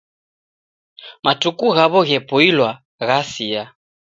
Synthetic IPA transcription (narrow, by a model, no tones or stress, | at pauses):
matukuɣaβɔɣɛpɔilwa | ɣasia